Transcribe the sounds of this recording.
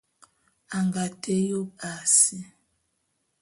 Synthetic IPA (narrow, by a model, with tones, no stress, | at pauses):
a˨ŋɡa˨tʰe˦jo˦pa˨si˦